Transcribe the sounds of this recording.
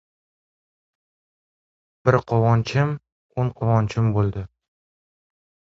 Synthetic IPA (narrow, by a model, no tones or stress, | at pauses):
bɪɾqʰɒvɒnt͡ʃʰɪm | onqʰɒvɒnt͡ʃʰɪmbolˠd̪ɪ